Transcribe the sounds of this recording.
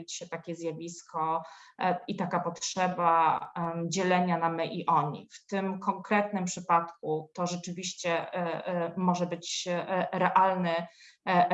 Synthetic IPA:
it͡ɕɕɛt̪akʲɛzʲjavʲiskɔ | it̪akapɔtʂɛba | d͡ʑɛlɛɲanamɛʔiʔɔɲḭft̪ɘmkɔŋkɾɛt̪̚nɘmpʂɘpat̪kut̪ɔʐɛt͡ʂɘvʲiɕt͡ɕɛ | mɔʐɛbɘt͡ɕɾɛʔalnɘ

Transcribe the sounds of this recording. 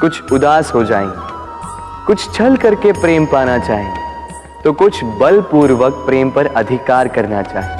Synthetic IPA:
kʊt͡ʃʰʊd̪aːsɦod͡ʒaːḛ̃ɡe | kʊt͡ʃʰt͡ʃʰɐlkɐɾkepɾeːmpaːñat͡ʃaːɦẽ | t̪oːkʊt͡ʃʰbɐlpuːɾʋək̚pɾeːmpɐɾɐd̪ʱɪkaːɾkɐɾnat͡ʃa̰ːɦẽ

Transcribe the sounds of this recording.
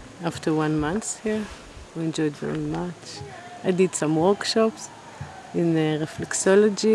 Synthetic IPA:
aftə˞wãnmãnθhiɹ | wiɛ̃nd͡ʒɔjdvɛ̰ɹimat͡ʃ | aɪdid̥sãmwɔɹkʃɔps | ɪ̃nɹɛflɛksɔlɔd͡ʒi

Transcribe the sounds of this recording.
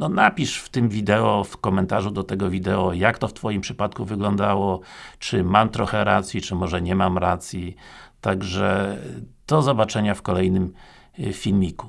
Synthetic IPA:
nɔnapʲiʂft̪ɘmvʲid̪ɛɔfkɔmɛnt̪aʐud̪ɔt̪ɛɡɔvʲid̪ɛɔjakt̪ɔft̪fɔjimpʂɘpat̪kuvɘɡlɔnd̪awɔt͡ʂɘmamt̪ɾɔxɛɾat̪sʲjit͡ʂɘmɔʐɛɲɛmamɾat̪sʲjit̪aɡʐɛ | d̪̥ɔzɔbat͡ʂɛɲafkɔlɛjnɘm | fʲilmʲiku̥

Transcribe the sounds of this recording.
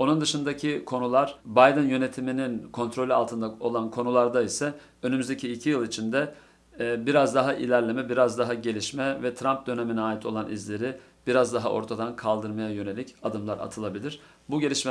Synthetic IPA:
o̞nund̪ɯʃɯnd̪acʰikʰo̞nulˠaɾ̥bajd̪ɯnjø̞ne̞t̪ʰimininkʰo̞nt̪ɾo̞lʲya̰lˠt̪ʰɯnd̪ao̞lˠankʰo̞nulˠaɾd̪aisɛ | ø̞nymyzd̪ecʰiːlʲcʰijɯlˠit͡ʃʰind̪ɛ | biɾazd̪aɦaʔilʲæɾlʲe̞mɛbiɾazd̪aɦaɟe̞lʲiʃmɛvɛt̪ʰɾamp̚d̪ø̞ne̞minɛaːit̪ʰo̞lˠanʔizlʲe̞ɾi | b̥iɾazd̪aɦaʔoɾt̪ʰad̪ankʰalˠd̪ɯɾmajajø̞ne̞lʲicad̪ɯmlˠaɾa̰t̪ʰɯlˠabilʲiɾ̥ | buɟe̞lʲiʃmɛ

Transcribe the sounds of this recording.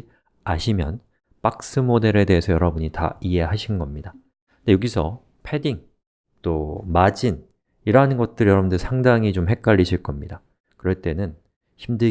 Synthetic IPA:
aɕʰimjʌ̰n | pak̚s͈ɯmode̞ɾe̞de̞esʰʌjʌɾʌbuɲita̰ie̞ɦaɕʰinnɡʌmɲida | ndejoɡisʰʌ | pʰe̞diŋ | t͈omad͡ʑin | iɾanɯnɡʌt̚t͈ɯɭjʌɾʌbundɯsʰaŋdaŋit͡ɕomɦe̞k̚k͈aʎːiɕʰiɭk͈ʌmɲida | kɯɾʌɭt͈e̞nɯn | çʰimdɯ

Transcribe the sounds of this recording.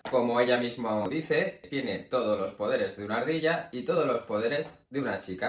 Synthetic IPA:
ko̞mo̞e̞ʎamizmoaoðiθe̞t̪jene̞t̪o̞ð̞o̞lo̞spo̞ð̞e̞ɾe̞zðeunaɾðiʎait̪o̞ð̞o̞zlo̞spo̞ð̞e̞ɾe̞z | ðeunat͡ʃika

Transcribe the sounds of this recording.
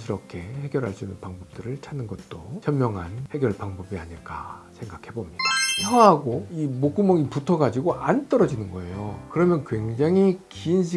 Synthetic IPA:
sʰɯɾʌkʰe̞he̞ɡjʌɾɦaɭs͈uinːɯnpaŋbʌp̚t͈ɯɾɯɭt͡ɕʰanːɯnɡʌt̚t͈ot͡ɕʰʌmːjʌŋɦanhe̞ɡjʌɭpaŋbʌbiaɲiɭk͈a̰sʰe̞ŋɡakʰe̞bomɲid̥aʌɦaɡoimok͈umʌɡiputʰʌɡad͡ʑiɡoʔant͈ʌɾʌd͡ʑinɯnɡʌe̞jokɯɾʌmjʌnkwe̞ŋd͡ʑaŋɦikinɕʰi

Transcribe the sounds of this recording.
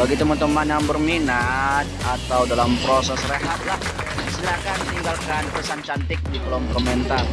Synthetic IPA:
baɡit̪umənt̪uŋmanaŋbərminat̪̚at̪awdalampɾosɛsreɦat̪̚lah | st̪iɾakant̪iŋɡalkanpəsant͡ʃant̪ɪk̚dikəlɔmkɔmɛnt̪ar

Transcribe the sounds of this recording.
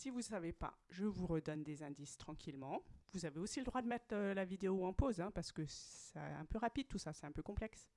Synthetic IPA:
sivusavepa̰ʒəvuʁəd̪ɔnd̪ezɛ̃d̪ist̪χɑ̃kʲʰilmɑ̃vuzaveosiləd̪ʁwad̪əmɛt̪χølavid̪eoɛ̃pozɛ̃paʁsə̥kəsɛɛ̃pøʁapid̪̚t̪usasɛt̪ɛ̃pøkɔ̃plɛks

